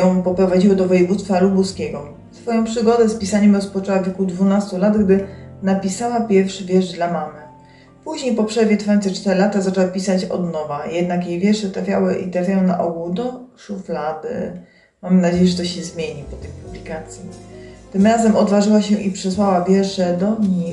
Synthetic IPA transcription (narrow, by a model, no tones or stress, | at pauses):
ɔ̃w̃pɔpɾɔvad͡ʑiwɔd̪ɔvɔjɛvut̪st̪falubuskʲɛɡɔ | sfɔjɔ̃w̃pʂɘɡɔd̪ɛspʲisaɲɛmɾɔspɔt͡ʂɛwavʲjɛkud̪vunast̪ulad̪ɡd̪ɘnapʲisawapʲjɛɾfʂɘvʲjɛʐd̪lamamɘ | puʑɲejpɔpʂɛvʲjɛt̪vfajɔ̃nt̪sɛt͡ʂt̪ɛɾɘlat̪azat͡ʂɛwapʲisat͡ɕɔ̰d̪nɔvajɛd̪̚nakjejvʲjɛʂɛt̪ɾafʲjawɘʔḭt̪ɾafʲjajɔɛ̃naʔɔɡud̪ɔʂuflad̪ɘ̰ | mamɘnad͡ʑejɛʐɛt̪ɔɕɛzmʲjeɲipɔt̪ɛjpublʲikat̪sʲjit̪ɘmɾazɛmɔd̪vaʐɘwaɕɛʔipʂɛswawavʲjɛʂɛd̪ɔɲi